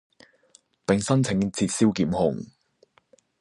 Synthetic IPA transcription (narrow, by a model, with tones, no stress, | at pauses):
pɪ˨˩ŋsɐ˥nt͡sʰɪ˨˧˥ŋt͡sʰiː˧t̚siː˥wkiː˨˥mhʊ˨˩ŋ